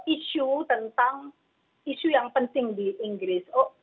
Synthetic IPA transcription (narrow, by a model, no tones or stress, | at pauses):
ʔiʃut̪ənt̪aŋ | iʃujaŋpənt̪ɪŋdiʔɪŋɡɾɪsoʔ